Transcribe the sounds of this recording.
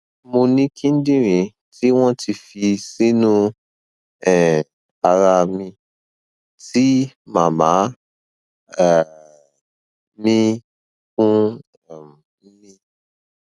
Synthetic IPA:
mo˧nĩ˦kʰĩ˦n̩˦dĩ˦ɾĩ˨˦ | tʰi˦w̃ɔ̃˦tʰi˧fi˧si˦nũ˦ | ɛ˨ | a˧ɾa˧mĩ˧ | ti˦mã˨mã˨˦ | ɛ˨ | mĩ˦ | kũ˦˨˦ | mĩ˧

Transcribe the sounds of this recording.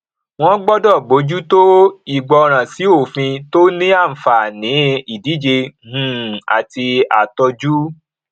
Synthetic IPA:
w̃ɔ̃˦ɡ͡bɔ˦dɔ˦˨bo˨˦d͡ʒu˦to˦i˨ɡ͡bɔ˧ɾ̃ã˨si˨˦o˦˨fĩ˧to˦nĩ˦a˦˨m̩˨fa˨nĩ˨˦i˦˨di˨˦d͡ʒe˧hũ˨a̰˨ti˧a˨tɔ˧d͡ʒu˦

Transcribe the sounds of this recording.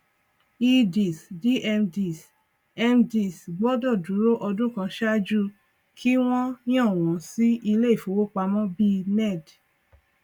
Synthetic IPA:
i˧di˨sdi˦ʔɛ˧mdi˨s | ɛ˧mdi˨sɡ͡bɔ˦dɔ˦˨du˨˦ɾo˦ʔɔ˧dũ˦kã˧ʃa˦d͡ʒu˦˨ | kʰi˦w̃ɔ̃˦ñ˦ɔ̃˦˨w̃ɔ̃˨˦si˦i˧le˦i˦˨fo˨˦wo˦k͡pa˧mɔ̃˦bi˦nɛ˦˨d

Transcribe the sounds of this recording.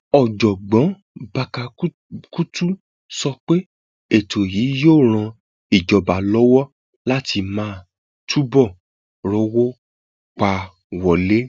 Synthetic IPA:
ɔ˨d͡ʒɔ˨ɡ͡bɔ̃˨˦ | ba˧ka˧˦ | ku˦tu˦ | sɔ˧k͡pe˦ | e˦˨tʰo˨jiː˨˦joː˦˨ɾ̃ã˧ | i˨d͡ʒɔ˨ba˨lɔ˦wɔ˦ | la˦ti˧mãː˦ | tʰu˦bɔ˦˨ | ɾɔ˦wɔ˦ | k͡pa˧ | wɔ˨le˦

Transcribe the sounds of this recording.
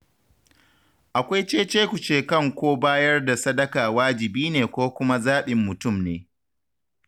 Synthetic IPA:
ʔa˨kʷa˦jt͡ʃeː˦t͡ʃeː˦kʷu˨t͡ʃeː˦kɐ˦˨ŋkʷoː˦baː˦jɐ˦rda˨sɐ˦dɐ˦kaː˨waː˦d͡ʒɪ˨biː˦neː˨kʷoː˦kʷʊ˦ma˦zaː˦ɓɪ˨mːʊ˨tʊ˦˨mnḛː˨

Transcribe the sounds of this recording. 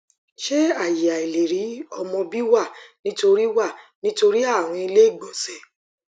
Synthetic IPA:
ʃe˦a˦˨ji˨a˨i˨le˨ɾi˨˦ɔ˧mɔ̃˧bi˦wa˦˨nĩ˦to˧ɾi˦wa˦˨nĩ˦to˧ɾi˦a˦˨ɾ̃ɔ̃˧i˧le˦˨ɡ͡bɔ˨sɛ˨˦

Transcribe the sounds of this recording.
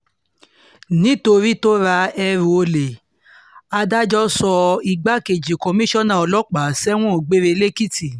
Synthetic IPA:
nĩ˦to˧ɾi˦to˦ɾa˧ɛ˧ɾũ˧o˧le˨ | a˧da˦d͡ʒɔ˦sɔ˧i˧ɡ͡ba˦ke˨d͡ʒi˨kɔ˧mĩ˦ʃɔ˦nã˨ɔ˧lɔ˦k͡pa˨˦sɛ˦w̃ɔ̃˦o˨ɡ͡be˦ɾe˧le˦ki˦ti˨

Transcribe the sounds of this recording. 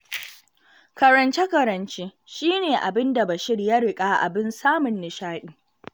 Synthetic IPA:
kɐ˨ɾɐ˨nt͡ʃe˦kɐ˨ɾɐ˨nt͡ʃeː˦ | ʃiː˦neː˨ʔa̰˨bɪ˦nda˨ba˨ʃɪ˦ɽja˦ɽɪ˨kʼaː˦ʔa̰˨bɪ˦nsaː˦mʊ˨nːɪ˨ʃaː˦ɗiː˦

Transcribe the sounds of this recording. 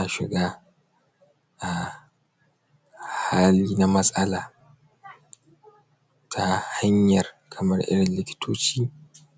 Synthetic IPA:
na˨ʃɪ˨ɡaː˦ | ʔa˨ | ha˦liː˦na˦mɐ˦sʼɐ˦laː˨ | tʰa˦ha˦ɲjɐ˨r | kʰɐ˨mɐ˦rʔɪ̰˦ɽɪ˨nlɪ˦kʲɪ̥˦tʰoː˦t͡ʃiː˦

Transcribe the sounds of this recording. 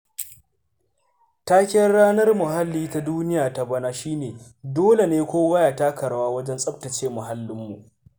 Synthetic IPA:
taː˦kʲɪ˦jɐ˦rɽaː˦nɐ˦rmʊ˨ɦa˦lːiː˦ta˦duː˦nɪ˦jaː˨ta˨bɐ˦naː˦ʃiː˦neː˨doː˦le˨neː˦kʷoː˦wɐ˦jaː˨taː˦kʰɐ˨ɾɐ˦waː˦wɐ˦d͡ʒɛ˦nsʼɐ˦b̚tɐ˨t͡ʃeː˦mʊ˨ɦa˦lːɪ˦mːu˨ʔ

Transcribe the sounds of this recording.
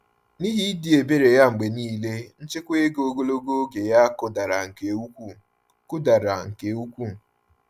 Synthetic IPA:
ni˦ɦi˦di˨e˨be˦ɾe˨ja˦ŋ͡m̩˨ɡ͡be˨niː˦le˦n̩˦t͡ʃɪ˦kʷe˦ɡo˨ɡo˦lo˦ɡo˦ɡe˨ja˦kʊ˦da˨ɾa˨ŋ̩˨ke˨u˦kʷu˦˨ | kʊ˦da˨ɾa˨ŋ̩˨ke˨u˦kʷu˦˨

